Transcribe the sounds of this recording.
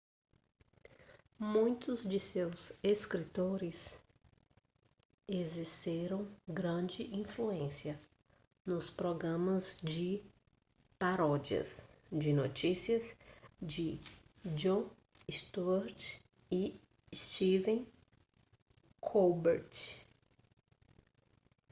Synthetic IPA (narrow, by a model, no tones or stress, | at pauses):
mũj̃t̪ʊzd͡ʒɪsewzeskɾit̪oɾɪs | eziɾseɾɐ̃w̃ɡɾɐ̃d͡ʒɪʔĩfluẽsiɐ | nʊspɾoɡɾɐ̃mɐzd͡ʒɪ | paɾɔd͡ʒiɐ̰sd͡ʒɪno̰t͡ʃisiɐzd͡ʒɪ | d͡ʒõ | st̪uɛɾt͡ʃ | ɪ | st͡ʃivẽ | kʰobeɾt͡ʃ